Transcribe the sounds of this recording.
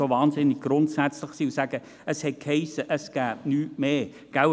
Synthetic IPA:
ovɑːnzɪnːɪɡ̚ɡ̥rʊntsæt͡sləɪχsiːusæɡ̥ə | əshɛt̚khɛɪsəʔəsɡ̥æːp̚nyːmeː | ɡ̥aw

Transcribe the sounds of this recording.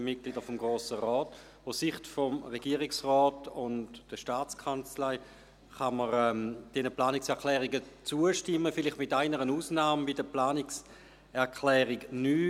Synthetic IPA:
mɪt̚ɡ̥lidəfɔmɡʁoːsəʁɔːt | oʊssiχtfɔmʁeɡ̥iːəʁiksʁɔːtʊndd̥əʃtaːt͡skʰant͡slaɪ | χaməʁɛːmd̥ɛnəplaːnɪksɛɐkʰlɛːʁiɡət͡suəʃtɪmːəfɪlɪχtmɪtaɪnəʁənuːsnaːmbidəplaːnɪks | ɛɐkʰlɛːʁiɡnyː

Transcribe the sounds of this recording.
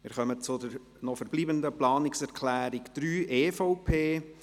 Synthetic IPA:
mɪɾχœmət͡sʊd̪əɾ | nɔfəɾb̥liːbənd̪əplɑːnɪksɛɾkʰlæːɾɪkd̥̪ɾyːʔeːfoʊpʰeː

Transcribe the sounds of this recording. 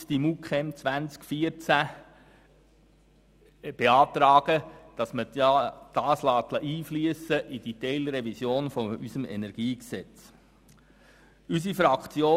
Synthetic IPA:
sd̥imukχɛmt͡sʋænt͡skfiəɾt͡sæ | b̥eɑːt̪ɾɑːɡ̥əd̥ɑsməɑd̥ɑːslɑːt̪ləʔiːflyəsəʔid̥it̪ɛɪlɾɛvisjoːnfɔysəmɛ̰nɛɾɡ̥iːksɛt͡s | ys̬ifɾɑkt͡sjoː

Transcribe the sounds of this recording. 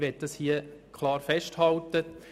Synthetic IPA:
ʋɛt̚dɑshiəkʰlɑːɾfɛʃthɑlt̪ə

